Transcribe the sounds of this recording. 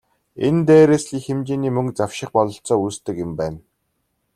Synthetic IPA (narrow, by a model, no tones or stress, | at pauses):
ent̪eːɾeːsɮiːxemt͡ɕeːniːmɵŋkt͡saw̥ʃɪ̆χpɔɮɞ̆ɬt͡sɔːust̪ɘ̆kʊmpæːn